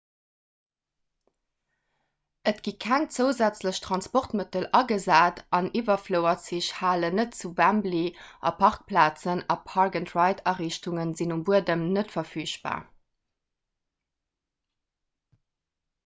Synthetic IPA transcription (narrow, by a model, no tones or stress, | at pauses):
ətɡ̥ikʰæŋt͡səʊzæt͡sləɕtʁɑnspoʁtmətəlɑɡəzaːtɑnivɐfləʊɐtt͡siɕhaːlənətt͡suvæmbliʔɑ̰pʰɑʁk̚plaːt͡sənɑpʰɑʁɡəntʁɑɪtʰɑʁiːɕtʰuŋənzinumbuədəmnətfɐfyːɕb̥a̰ː